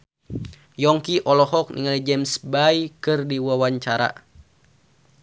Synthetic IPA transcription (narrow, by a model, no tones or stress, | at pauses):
jɔŋkiʔɔlɔɦɔk̚nḭŋalid͡ʒɛmsbajkɨrdiwawaɲt͡ʃaɾa̰